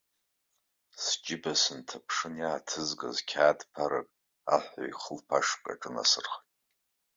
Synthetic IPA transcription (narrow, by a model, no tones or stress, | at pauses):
sd͡ʒɪbasɨntʰapʰʂɨnjaːtʰɨzɡa̰zkʲʰaːdpʰaɾɨkʼ | a̰ħʷa̰iχəlpʰaʂkʼa̰ʈ͡ʂʼɨna̰sɨrχjtʼ